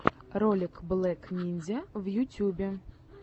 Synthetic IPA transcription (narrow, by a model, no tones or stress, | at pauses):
rɔlʲɪkblˠɛknʲinʲzʲɐwjutʲubʲɛ